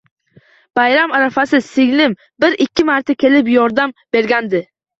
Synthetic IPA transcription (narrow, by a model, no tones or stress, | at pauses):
b̥ajɾamaɾafasɪsɪɡʲnɪm | bɪɾɪkʲʰːɪmaɾt̪ʰakʲʰe̞lɪpjɒɾd̪amb̥e̞ɾɡʲand̪ɪ